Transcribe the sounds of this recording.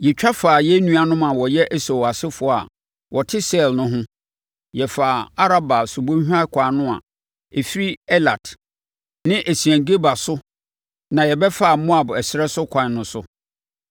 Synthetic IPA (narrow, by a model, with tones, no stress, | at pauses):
jɛ˨t͡ɕᶣʰa˦faː˨jɛ˦nũ˦a˨nʊ̃˦mã˨wɔ˨jɛ˦ʔæ˦so˨wa˨sɪ˦fʊ˨˦a̰˨ | wʔɔ˨tʰɪ˦sa˦˨ɛ˨lnʊ̃˦ɦʊ̃˦ | jɛ˨faː˨a˦ɾa˦ba˨sʊ˨bõ˦ɦᶣã˦kʷʰaː˨nʊ̃˦a̰˨ | e˨fi˦ɾi˦ɛ˦la˨t | nɪ̃˦ʔæ˨si˨æ̃˨ŋ˨ɡe˦ba˨sʊ˦ | nã˨jɛ˨bɛ˦fa˦˨mɔ̃˦a˨bɛ˨sɪ˨ɾɛ˦sʊ˦kʷʰã˨n˨nʊ̃˦sʊ˦